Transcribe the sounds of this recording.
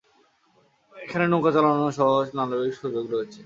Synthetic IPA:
ekʰanenokat͡ɕalanoʃɔɦoʃnaloikʃud͡ʑoɡɾoet͡ɕʰe

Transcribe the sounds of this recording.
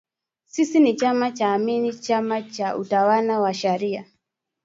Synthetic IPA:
sisinit͡ʃamat͡ʃaːminit͡ʃamat͡ʃautawanawaʃaɾia

